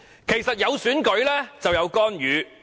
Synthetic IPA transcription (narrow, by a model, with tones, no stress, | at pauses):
kʰe˨˩jsɐ˨t̚jɐ˨˧wsyː˨˥nkɵ˨˥ɥlɛː˥t͡sɐ˨wjɐ˨˧wkɔː˥njyː˨˧